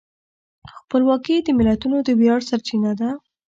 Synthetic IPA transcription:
xpəlwɑkid̪əmɪlat̪unod̪əbjɑɽsaɾt͡ʃinad̪a

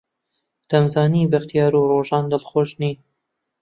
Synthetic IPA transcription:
d̪̥ɐmzɑːniːbaxt̪ijɑːɾuːroːʒɑːnd̪ɨlxoːʃniːn

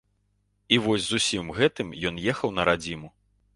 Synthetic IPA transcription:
ivɔsʲzusʲimɣɛt̪ɨmjɔn̪jɛxɐwnɐɾad͡zʲimu

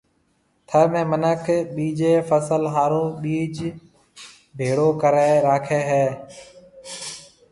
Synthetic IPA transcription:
t̪ʰəɾmẽːmənəkʰɓiːd͡ʒeːfəsəlɦaːɾoːɓiːd͡ʒ | bʱeːɽoːkəɾaːɪɾaːkʰeːɦɛː

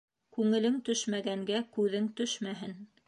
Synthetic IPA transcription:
kʉŋɘ̆lɘŋt̪ɵʃmæɡæŋɡækʉðɘŋt̪ɵʃmæɦɘn

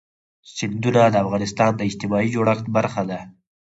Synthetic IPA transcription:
sɪnd̪unad̪əafɣɑnɪst̪ɑnd̪əɪd͡ʒt̪ɪmɑid͡ʒoɽaxt̪baɾxad̪a

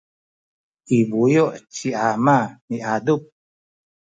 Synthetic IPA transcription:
ʔibujoʔt͡ɕiamamiadup̚

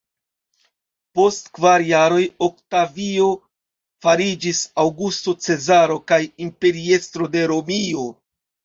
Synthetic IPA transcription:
po̞stkvaɾjaɾo̞jo̞k̚tavio̞ | faɾid͡ʒisawɡusto̞t͡se̞zaɾo̞kajimpe̞ɾie̞stɾo̞de̞ɾo̞mio̞

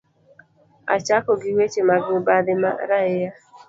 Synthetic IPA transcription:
a̰t͡ʃakɔɡɪwet͡ʃemaɡɪʊbadɪma̰ɾaɪja

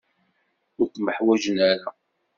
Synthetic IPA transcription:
ʊɾθməħwæʒənæɾa

